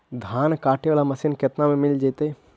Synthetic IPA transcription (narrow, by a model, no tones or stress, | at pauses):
d̪ʱaːnkaːʈeʋaːlamɐsinket̪namẽmɪld͡ʒeːt̪e